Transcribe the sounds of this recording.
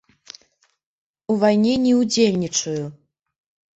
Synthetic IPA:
uvajnʲɛnʲɛud͡zʲelʲnʲit͡ʂɐju

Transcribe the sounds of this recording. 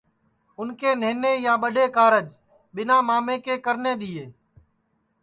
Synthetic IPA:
ʊnkeːneːneːjaːɓəɗeːkaːɾəd͡ʒ | ɓɪnãːmaːmeːkeːkəɾneːɗ̪iːeː

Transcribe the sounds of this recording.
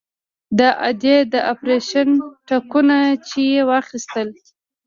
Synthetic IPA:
d̪əʔad̪ed̪əʔapɾeʃanʈakunat͡ʃejewɑxist̪əl

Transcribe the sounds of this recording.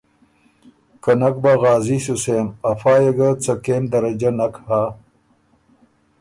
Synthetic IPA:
kɐnɐk̚baɣaːzisuseːmɐfaːjɐɡɐt͡sɐkeːmd̪ɐɾɐd͡ʑɐnɐkhaː

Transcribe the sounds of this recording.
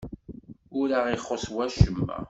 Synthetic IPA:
ʊɾaʁiχoswæʃəmːæ̰

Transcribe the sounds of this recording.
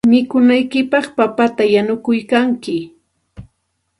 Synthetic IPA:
mɪkʊnajkɪpɑχpapat̪ajanʊkʊjkaŋkɪ

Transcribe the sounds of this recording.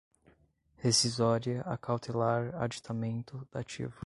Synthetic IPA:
hesizɔɾiɐʔakʰawt̪ʰelaɾa̰d͡ʒit̪ʰamẽnt̪ʊd̪̥at͡ʃḭvʊ

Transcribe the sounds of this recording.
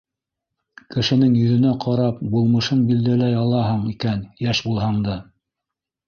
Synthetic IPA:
kɘ̆ʃɘ̆nɘŋjɵ̆ðɵ̆næqʰɑɾɑp̚bulˠmɤ̆ʃɤnbild̪ælæjɑlˠɑɦɤɴikænjæʃbulˠɦɑɴd̪ɤ

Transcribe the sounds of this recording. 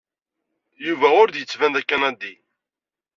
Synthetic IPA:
juvæʊɾd̪jət͡sːvænd̪ækːænæd̪ːi

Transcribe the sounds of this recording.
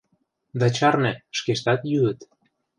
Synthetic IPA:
d̪ɑt͡ɕɑrnĕʃkeʃt̪ɑt̪jyɣə̆t̪

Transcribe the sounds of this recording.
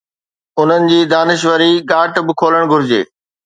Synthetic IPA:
ʊn̤ənɪ̆d͡ʑiːd̪aːnɪʃʋəɾiɠaːʈbɪkʰoːləɽ̃ɡʱʊɾɪd͡ʑḛː

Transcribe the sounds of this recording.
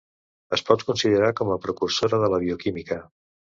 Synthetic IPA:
əspɔt̪kunsiðəɾakɔməpɾəkursoɾəðələβiukimikə

